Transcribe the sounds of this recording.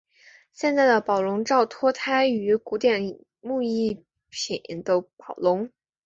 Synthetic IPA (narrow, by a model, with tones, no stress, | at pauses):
ɕjɛ˥˧nt͡sa˥˩ɪd̪ə˩pɑ˨˩ʊlʊ˧˥ŋʈ͡ʂɑ˥˩ʊt̪ʰwɔ˥t̪ʰa˥ɪy˧˥ku˧˥t̪jɛ˨˩n | mu˥˧i˥˩ | pʰi˨˩˦nt̪o˥pɑ˨˩ʊlʊ˧˥ŋ